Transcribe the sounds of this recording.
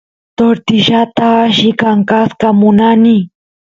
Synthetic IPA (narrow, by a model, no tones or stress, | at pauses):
t̪oɾt̪ɪʃat̪aʃɪkaŋkaskamʊnanɪ